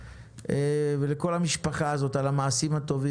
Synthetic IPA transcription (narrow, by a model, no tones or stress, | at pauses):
eveleko̞lamiʃpaχaːzo̞t̪alamaːsimhat̪o̞vi